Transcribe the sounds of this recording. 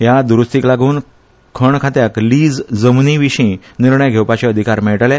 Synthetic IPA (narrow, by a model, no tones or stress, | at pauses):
ɦjad̪uɾust̪iklaɡʱuːn | kʰəɳkʰat̪jakliːd͡zd͡zəmniʋiɕĩ | niɾɳəjɡʱewpat͡ɕeəd̪ʱikaɾmɛɭʈlɛ̃